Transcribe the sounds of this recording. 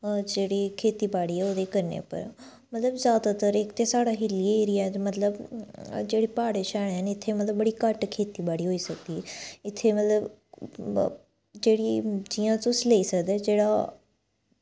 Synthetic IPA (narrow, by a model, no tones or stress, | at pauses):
d͡ʒeːɽikʰeːt̪ibaːɽiʊd̪ekɐɾnḛpɐ̰ɾ | mɐt̪ləbzjaːd̪at̪əɾekt̪esaːɽaɦɪlieɾiaːt̪mɐt̪ləbd͡ʒeːɽipaːɽeʃaːɽ̃ɪnɪt̪ʰemɐt̪ləbbəɽikəʈkʰeːt̪ibaːɽiɦoːisɐɡd̪iɪt̪ʰemɐt̪ləb | d͡ʒeːɽid͡ʒiːãt͡sõsɪleisɐɡd̪ed͡ʒeːɽa